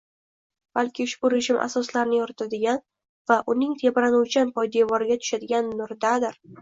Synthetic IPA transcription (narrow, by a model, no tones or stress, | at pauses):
b̥alkʲɪʊʃbʊɾeʒɪmʔa̰sɒslaɾnɪjɒɾɪt̪ʰad̪ɪɡʲan | vaʔʊnɪŋt̪ʰe̞bɾanuwt͡ʃʰanpʰɒjd̪e̞vɒɾɪɡʲat̪ʰʊ̥ʃad̪ɪɡʲanːʊɾd̪ad̪ɪɾ